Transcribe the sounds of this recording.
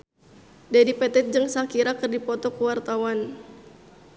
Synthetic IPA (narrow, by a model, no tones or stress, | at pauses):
dadipɛt̪ɛt̪̚d͡ʒəŋsakiɾakərdipɔt̪ɔkuwart̪awan